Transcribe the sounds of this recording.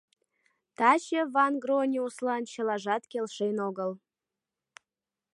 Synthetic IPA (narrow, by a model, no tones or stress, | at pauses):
t̪ɑt͡ɕevɑnɡronʲiuslɑnt͡ɕə̆lɑʒɑt̪kʲelʃenoɣəl